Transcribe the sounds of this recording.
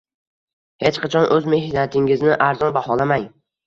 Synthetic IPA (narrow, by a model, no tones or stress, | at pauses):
het͡ʃqʰɑt͡ʃʰɒnʔɵzme̞ɦɪat̪ʰɪŋɪznɪʔaɾzɒnbahɒlamaŋ